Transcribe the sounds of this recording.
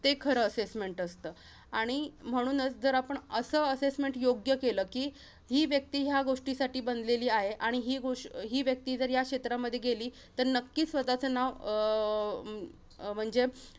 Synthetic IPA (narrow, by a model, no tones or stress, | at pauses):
t̪ekʰəɾəːsesmeɳʈəst̪əː | aɽ̃im̤əɽ̃uːnət͡sd͡zəɾapəɳəsəːəsesmeɳʈjoɡjəkeləːkiː | ɦiːʋjək̚t̪iːɦjaɡoʂʈisaʈiːbənd̪leliːaɦeʔaɽ̃iɦiːɡoʂɦiːʋjək̚t̪iːd͡zəɾjakɕet̪ɾaməd̪ʱːjeɡeliː | t̪əɾnəkːiːsʋət̪at͡sənaʋ | m̤əɳd͡ze